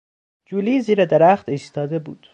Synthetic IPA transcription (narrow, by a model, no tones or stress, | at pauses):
d͡ʒuːliːziːɾed̪eɾæxt̪iːst̪ɒːd̪ebṵːd̪̥